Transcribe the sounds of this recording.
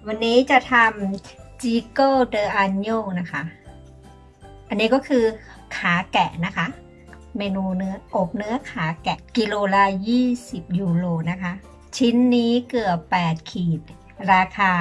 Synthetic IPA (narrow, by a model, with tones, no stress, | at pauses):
wa˧nːiː˦˥t͡ɕa˨˩t̪ʰa˧mt͡ɕiː˧kɤ˥˩dɤː˧ʔa˧njoː˥˩na˦˥kʰa˦˥ʔ | ʔa˧nːiː˦˥kɔː˥˩kʰɯː˧ | kʰaː˩˦kɛ˨˩na˦˥kʰa˦˥ʔ | meː˧nuː˧nɯ˦˥ɐʔo˨˩p̚nɯ˦˥ɐkʰaː˩˦kɛ˨˩ʔki˧loː˧la˦˥jiː˥˩si˨˩p̚juː˧loː˧na˦˥kʰa˦˥ʔ | t͡ɕʰi˦˥nːiː˦˥kɯ˨˩əpːɛː˨˩t̪̚kʰiː˨˩t̪̚ | ɾaː˧kʰaː˧